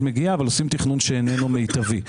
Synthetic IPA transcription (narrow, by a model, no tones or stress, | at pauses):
meɡiaːvalosimt̪iχnunʃeːnenumejt̪avi